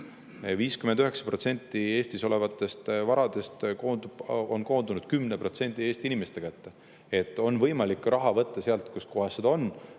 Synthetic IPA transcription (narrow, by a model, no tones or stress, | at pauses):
viːskyme̞nd̪yɦe̞ksɑ̥pro̞t̪se̞nʲt̪ːˑie̞ːst̪iso̞le̞vɑt̪ːˑe̞st̪vɑɾɑd̪̥e̞st̪kond̪u̥o̞nko̞ːnd̪unud̪̥̚kymne̞pro̞t̪se̞nʲd̪̥ie̞ːst̪iinimest̪e̞kæt̪ːe | e̞t̪ːˑo̞nvɤjmɑlikːˑrʔɑɦɑvɤt̪ːɑseɑlt̪ˑkusko̞ɦesːed̪ɑonː